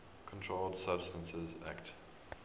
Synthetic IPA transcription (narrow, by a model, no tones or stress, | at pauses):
kʰɔ̃ntʰɹoldsabstə̃nsɪza̰kt